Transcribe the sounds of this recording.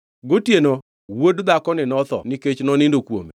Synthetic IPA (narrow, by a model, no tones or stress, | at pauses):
ɡotjeno | wodd̪akɔnɪnɔt̪ɔ̰niket͡ʃnɔnɪndokwo̰mḛ